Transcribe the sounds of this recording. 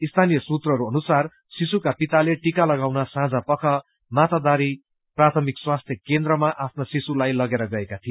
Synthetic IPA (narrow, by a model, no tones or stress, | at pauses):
ist̪ʰanijʌsut̪rʌɾuʌnusar | sisukapit̪aleʈikalʌɡawnʌsãd͡zapʌkʰʌ | mat̪ad̪aɾi | prat̪ʰʌmikswast̪ʰjʌkend̪rʌmaʔapʰnosisulajlʌɡeɾʌɡʌekat̪ʰij